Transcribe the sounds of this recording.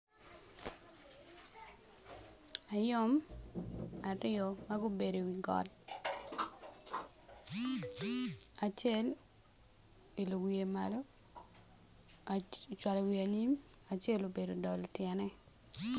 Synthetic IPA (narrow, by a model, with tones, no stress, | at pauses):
a˨jɔ˦m | a˨rɪ˦ɔ˨maɡo˦be˨do˨wi˨ɡɔ̰˨d | a˨t͡ʃɛ˦l | e˨lo˨wie˨ma̰lo˦ | t͡ʃwa˨lwia˨ni˦ma˨t͡ʃe˦lo˨be˨do˨dɔ˨ltjɛnɛ˦